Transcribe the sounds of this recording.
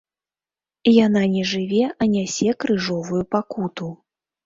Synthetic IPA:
jananʲɛʐɨvʲɛʔɐnʲasʲɛkɾɨʐɔvujupakut̪u

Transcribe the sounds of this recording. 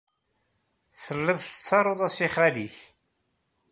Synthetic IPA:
θəlːəðˤsə̥t͡sːɑɾˤoðˤæsiχæliθ

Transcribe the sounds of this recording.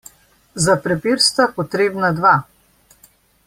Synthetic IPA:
zapɾɛpiɾst̪apɔt̪ɾeːbnad̪ʋa

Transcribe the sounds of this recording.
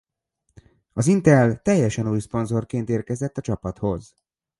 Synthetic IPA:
ɒzint̪ɛlt̪ɛjːɛʃɛnuːjspo̞nzo̞rkeːnt̪eːrkɛzɛt̪ːɒt͡ʃɒpɒt̪ho̞z

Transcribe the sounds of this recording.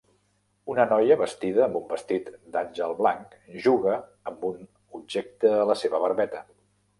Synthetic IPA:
unənɔjəβəst̪iðəːmbumbəst̪it̪d̪anʲʒəlˠβlaŋk | ʒuɣəːmbun | ubʒɛk̚t̪əːləseβəβəɾβɛt̪ə

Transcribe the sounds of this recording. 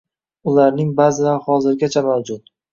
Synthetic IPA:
ʊlaɾnɪŋbazɪlaɾhɒzɪɾɡʲat͡ʃʰamawd͡ʒʊt̪̚

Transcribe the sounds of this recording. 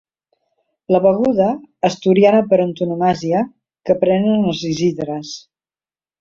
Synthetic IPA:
ləβəɣuðəːst̪uɾianəpəɾənt̪unumaziə | kəpɾɛnənəlˠziziðɾəs

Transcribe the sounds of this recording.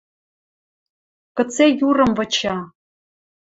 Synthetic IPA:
kə̆t͡sejurɤ̆mvɤ̆t͡ɕʰɑ

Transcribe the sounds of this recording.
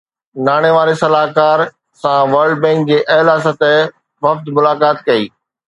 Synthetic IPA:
naːɽ̃eʋaːɾesɐlaːɦkaːɾ | sãʋɐɾɖbɛ̃ːŋk̚d͡ʑeːʔɐɦlaːsət̪e | ʋɐft̪mʊlaːkaːt̪̚kɐiː

